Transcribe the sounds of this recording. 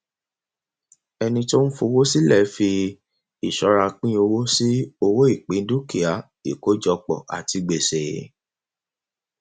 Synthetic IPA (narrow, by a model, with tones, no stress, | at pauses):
ɛ˧nĩ˧to˦n̩˦fo˧wo˦si˦lɛ˦˨˦fi˧ | i˨ʃɔ˨˦ɾa˧k͡pĩ˦o˧wo˦si˦o˧wo˦i˦˨k͡pĩ˨˦n̩˦du˦ki˨a˨˦ | ḭ˨ko˨˦d͡ʒɔ˧k͡pɔ̰˨ʔa̰˨ti˧ɡ͡be˨se˨